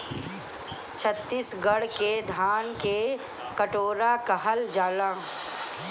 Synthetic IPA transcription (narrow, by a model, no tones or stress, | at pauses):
t͡ʃʰət̪ːiːsɡəɽked̪ʱaːnke | kəʈoːɾakəɦəld͡ʒaːlã